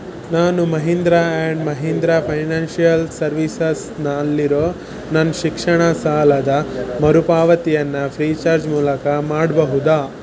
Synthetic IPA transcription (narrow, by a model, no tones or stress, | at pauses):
naːnumɐɦind̪ɾaeɳɖmɐɦind̪ɾapʰɐjnaːnʃijɐlsɐɾʋisɐs | nɐːlːiɾoː | nɐnʃikʂɐɳɐsaːlɐd̪ɐmɐɾupaːʋɐt̪ijɐnːɐpʰɾiːt͡ʃaːɾd͡ʒmuːlɐkɐmaːɽbɐɦud̪aː